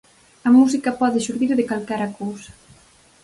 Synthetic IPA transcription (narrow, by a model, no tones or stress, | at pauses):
amuzikapɔðeʃuɾðiɾðekalkaɾakuz